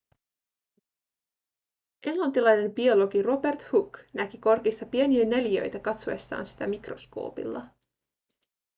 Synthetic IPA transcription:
ʔe̞ŋlɑnt̪ilɑjne̞mbio̞lo̞ɡiro̞be̞rt̪huknækiko̞rkist̪ɑpie̞niene̞ljø̞̰jt̪ækɑt̪soest̪ɑ̰ːnsi̥t̪æmikro̞̰sko̞̰ːpḭlːɑ

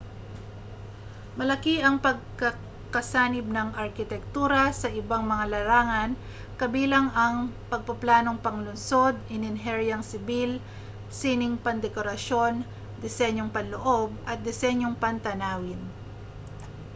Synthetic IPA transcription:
mɐlɐkiʔɐŋpɐɡ̚kɐ | kɐsaːnɪb̚nɐŋʔɐɾkɪt̪ɛk̚t̪uːɾɐsɐʔɪbaŋmɐŋalɐɾaːŋɐn | kɐbiːlɐŋɐŋpɐɡ̚pɐplaːno̞ŋpɐŋlʊnso̞d̪ɪnɪnɦɛɹjɐŋsɪbil | siːnɪŋpɐnd̪ɛkoɾɐʃo̞n | d̪ɪsɛɲjoŋpɐnloʔo̞b̚ʔɐt̪̚d̪ɪsɛɲjoŋpɐnt̪ɐnaːwɪn

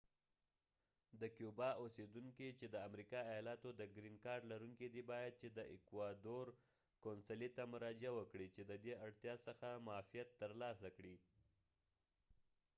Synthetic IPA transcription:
d̪əkjubɑʔosed̪uŋkit͡ʃed̪əamɾikɑajɑlɑt̪od̪əɡɾinkɑɾɖlaɾuŋkid̪ibɑjad̪̚t͡ʃed̪əʔɪkwad̪oɾ | konsalit̪amʊɾɑd͡ʒawəkɽit͡ʃed̪əd̪eaɽt̪jɑsəxamɑfijat̪ːəɾlɑsakɽi

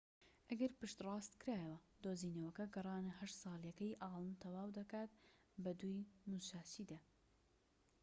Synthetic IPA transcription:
ʔɐɡɐɾpɨʃt̪rˤɑːst̪kɨɾaːjwɐ | d̪oːziːnɐwɐkɐɡɨrˤɑːnɨhɐʃt̪sˤɑːlˠjɐkɐjʔɑːlˠɨnt̪ʰɐwaːwd̪ɐkaːt̪̚ | bɐd̪ujmut͡ʃaːt͡ʃiːd̪aː

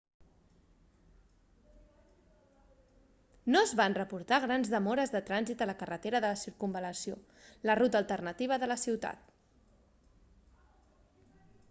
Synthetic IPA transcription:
noəzβanrəpuɾt̪aɣɾanzðəmɔɾəzðət̪ɾanzit̪ələkərət̪eɾəðələsiɾkumbələsio | lərut̪əlˠt̪ərnət̪iβ̞əðələsiwt̪a̰t̪

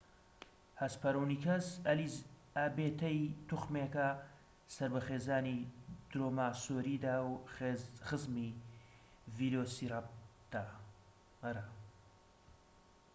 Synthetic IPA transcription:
hɐspʰɐɾuwnikʰɐzɐliz | aːbeːt̪ɐjt̪uxmekɐ | sɐɾbɐxeːzaːnid̪̥ɾoːmaːsoːɾid̪aːw | χɨzmi | vid̪eosiɾat̪a | ɐɾa

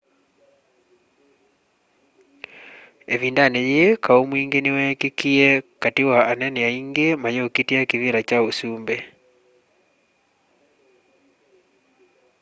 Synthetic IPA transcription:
eviːndanejekaomwiːŋɡenewɛkekiɛkatiwaːnɛneaiŋɡemajookitiakiβiɾat͡ʃaosuːmbɛ

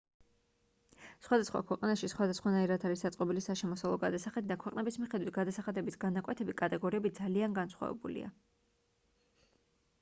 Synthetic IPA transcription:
sχwad̪asχwa̰kʰwɛqʼanaʃisχwad̪asχwanaiɾat̪ʰaɾisd̪at̪sʼqʼɔbilisaʃɛmɔsavlˠɔɡad̪asaχɛd̪d̪akʰwɛqʼnɛbismiχɛd̪wit̪̚ʰɡad̪asaχad̪ɛbisɡanakʼwɛt̪ʰɛbikʼat̪ʼɛɡɔɾiɛbid̪zalianɡansχwa̰vɛ̰bṵlḭa̰

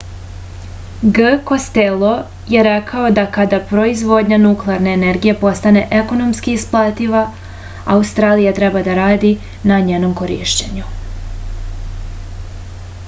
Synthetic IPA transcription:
ɡəko̞st̪elˠo̞ | je̞ɾe̞kʰao̞d̪akad̪apɾo̞izʋo̞d̪ɲanuklˠeaɾne̞ːneɾɡije̞po̞st̪ane̞ʔeko̞no̞mskiːsplˠat̪iʋa | a̰ust̪ɾaːlijat̪ɾebad̪aɾaːd̪i | naɲeno̞mko̞ɾḭːʃt͡ɕeɲu

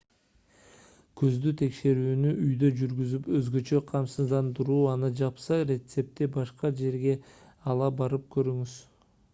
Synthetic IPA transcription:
kʰøzd̪yt̪ʰe̞kʃe̞ɾyːnyʔyjd̪ø̞d͡ʒyɾɡyzypø̞zɡø̞t͡ʃø̞qʰɑmsɯzd̪ɑnd̪ɯɾuːɑnɯd͡ʒɑpsɑɾʲe̞t̪se̞p̚t̪ebɑʃqɑd͡ʒe̞ɾɡe̞ | ɑlˠɑbɑɾɯp̚kø̞ɾyŋyz̥

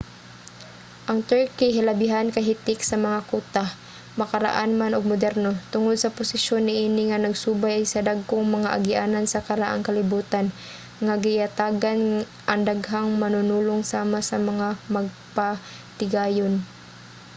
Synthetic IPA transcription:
ʔɐŋt̪ɛɹkiɦɪlɐbɪɦankɐɦɪt̪ɪksɐmɐŋakuːt̪a | mɐkɐɾa̰ʔanmanʊɡ̚mʊd̪ɛɾnot̪ʊŋod̪̚sɐpʊsɪʃonːɪʔiːnɪŋɐnɐɡsuːbajʔajsɐd̪aɡ̚koŋmɐŋaʔaɡɪʔaːnansɐkɐɾaʔa̰ŋkɐlɪbuːt̪an | ŋaɡɪjat̪aːɡan | ʔɐŋd̪aɡɦaŋmɐnʊnuːloŋsaːmasɐmɐŋamɐɡ̚pa | t̪ɪɡaːjon

